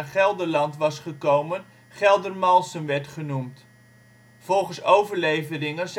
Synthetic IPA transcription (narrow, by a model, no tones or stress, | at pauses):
χɛlˠdəɹlɑntʋɑsχəkowmən | χɛlˠdərmɑlˠsənʋɛɹtχənumt | v̥ɔlˠχənsowvəɹlejvərɪŋəz